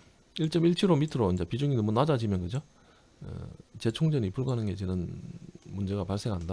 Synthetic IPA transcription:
iɭt͡ɕ͈ʌmiɭkʰiɾomitʰɯɾoind͡ʑapid͡ʑuŋinɯnmonad͡ʑad͡ʑimjʌnɡɯd͡ʑo | ḛt͡ɕe̞t͡ɕʰoŋd͡ʑʌɲipuɭɡoɦanɯnɡe̞t͡ɕɯnɯnmund͡ʑe̞ɡapaɭs͈e̞ŋɦanda

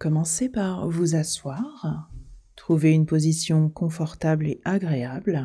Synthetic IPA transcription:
kɔmɑ̃sepaʁvuzaswaʁt̪χuveynpozisjɔ̃kɔ̃fɔʁt̪ableʔaɡʁeabl

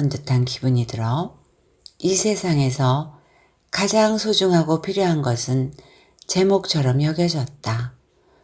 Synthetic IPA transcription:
ʌndɯtʰankibuɲidɯɾʌ | isʰe̞sʰaŋe̞sʰʌ | kad͡ʑaŋsʰod͡ʑuŋɦaɡopʰiɾjoɦanɡʌsʰɯn | t͡ɕe̞mok̚t͡ɕʰʌɾʌmjʌɡjʌd͡ʑʌt̚t͈a

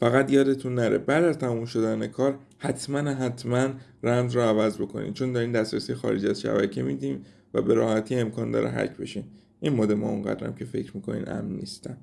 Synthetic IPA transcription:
fæɣæt̪jɒːd̪e̞t̪ʰunːæɾḛbæd̪æzt̪ʰæmumʃo̞d̪æne̞kʰɒːɾ | hæt̪ʰmænɦæt̪ʰmæn | rænzɾɒːævæzbo̞kʰo̞̰nḭːnt͡ʃʰo̞nd̪ɒɾiːnd̪æsɾesijexɒ̰ːɾed͡ʒæzʃæ̰bæcʰemiːd̪iːm | væ̰be̞ɾɒːhæt̪ʰiːe̞mkʰɒːnd̪ɒ̰ːɾḛɦæ̰cʰbe̞̰ʃiːn | ʔinmɒːd̪emɒ̰ːuŋɢæ̰d̪ɾæ̰mcʰe̞fe̞̰cɾmiːkʰo̞nḭːnʔæ̰mniːst̪æm

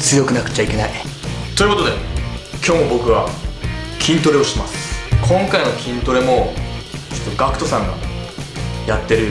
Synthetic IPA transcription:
t͡sɨjo̞kɯ̟nakɯ̟̥t͡ɕaikʲe̞nait̪oi̟kood̪e̞kʲo̞ːmo̞bo̞kɯ̟βa | kʲʰĩnt̪o̞ɾe̞oɕi̥t̪emasɨ̥kʰõ̞ŋkaino̞kʲĩnt̪o̞ɾe̞mo̞ | t͡ɕo̥t̪ːoɡakɯ̟̥t̪o̞sãŋɡa̰ | jat̪ːe̞ɾɯ̟

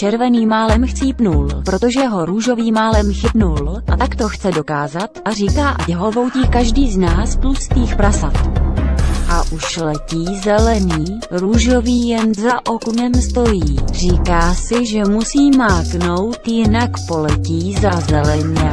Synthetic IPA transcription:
t͡ʃɛɾvɛniːmaːlɛmxt͡siːpnulpɾo̞t̪o̞ʒɛɦo̞ɾuːʒo̞viːmaːlɛmxɪbnulʔat̪akt̪o̞xt͡sɛdo̞kaːzat̪ʔariːkaːʔacɛɦolvo̞wciːkaʒdiːznaːsplust̪iːxpɾasat̪ | ʔaʔuʃlɛciːzɛlɛniː | ɾuːʒo̞viːjɛnzaʔokunɛmst̪o̞jiːr̝iːkaːsɪʒɛmusiːmaːkno̞wt̪jɪnakpo̞lɛciːzazɛlɛɲɛ

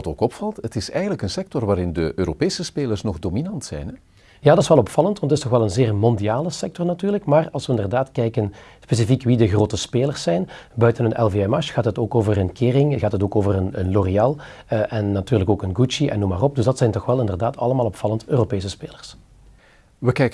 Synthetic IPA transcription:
toːkɔpfɑlˠtətɪsɛjɣənləkənsɛk̚tɔrʋaːɾɪndəʔøːɾopeːsəspeːlərsnɔxdoːminɑntsɛ̰jnɛ | jaːdɪsʋɛlˠɔpfɑlˠəntʋɑntətɪstnɔxʋɛlˠənzeːrmɔndijaːləsɛk̚tɔrnatyːrləkmaːrɑlˠsʋəɪndərdaːtkɛjkənspeːs̬ifikʋidəɣroːtəspeːlərsːɛjnbœɥtənənɛlˠveɛmɑʃxaːtɦətoːkoːvərənkɪːrɪŋɣaːtɦətoːkoːvərənənloriaːlˠʔɛnːatyːrləkoːkənɡut͡ʃiʔɛ̰nːumaːrɔp̚dəzdɑtsɛjntɔxʋɛlˠɪndərdaːtʰɑləmaːlˠɔpfɑləntøːropeːsəspeːlərs | ʋəkɛjk

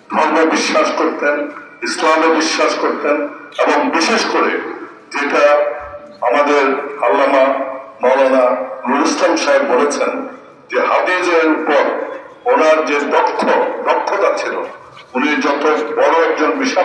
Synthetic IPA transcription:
d̪ʱɔɾmobiʃːaʃkoɾt̪en | islamebiʃːaʃkoɾt̪eneboŋbiʃeʃkoɾe | d͡ʑeʈa | amad̪eɾhalːamanɔlonanuɾislamʃaebbolet͡ɕʰen | d͡ʑehad̪ied͡ʑeeɾpɔɾonaɾd͡ʑedɔkʰːoɖ̪ɔkʰːot̪at͡ɕʰilo | unid͡ʑɔt̪obɔɾoɛk̚d͡ʑonbiʃa

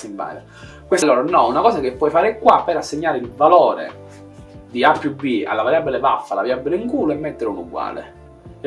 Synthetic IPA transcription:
simba̰ːɾa | kweslːoːɾanɔunakɔːsakepːwɔjfaːɾekwapːeɾasːeɲːaːɾeilvalɔːɾḛ | d̪iapːjubia̰lːavaɾjabːilebafːalavaɾjabːileŋkuːloɛmːet̪ːeɾunuɡwa̰ːlḛ

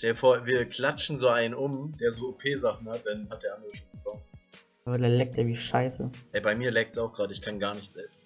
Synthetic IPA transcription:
ʃtɛləfoːɐviːɐkl̥at͡ʃn̩zoːaɪnənʔʊmd̥eːɐzoːopʰeːzaχn̩hat̚d̥anhat̚d̥eːɐʔandəʁəʃoːnbəkʰɔm | ʔaːbadalɛːk̚tʔeːɐviːʃaɪsə̰ʔɛbaɪmiːɐlɛːk̚tsaʊxɡ̥ʁaːdəɪçkʰanɡaːɐnɪçt͡sʔɛsn̩

